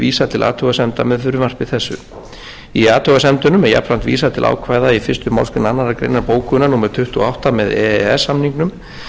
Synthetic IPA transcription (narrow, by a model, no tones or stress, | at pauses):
viːsat̪ʰɪlʔa̰ːt̪ʰœɣasɛmt̪amɛðfʏɾʏmar̥pvɪðθɛsːʏ̰ | iaːt̪ʰœɣasɛmt̪ʏnʏmɛɾja̰plan̥t̪vḭːsat̪ʰɪla̰wkʰvaːjðaifɪrst̪ʏma̰lskʏnanːaɾakɾḛjnaɾpoːwkʰʏʏnanuːmaɾ̥t̪ʰʏht̪uɔawht̪amɛðɛɛsːamniŋknʏm